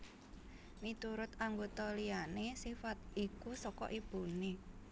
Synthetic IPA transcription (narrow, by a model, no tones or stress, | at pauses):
mit̪uɾʊt̪aŋɡot̪ɔlianesifat̪̚ikusɔkɔ̰ʔib̥ṳne